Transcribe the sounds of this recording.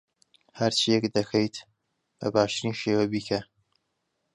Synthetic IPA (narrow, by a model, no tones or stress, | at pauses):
hɐɾt͡ʃʰijɛkd̪ɐxʰɐjt̪ | bɐ̰baːʃt̪ɨɾinʃeːwɐbiːkʰɐ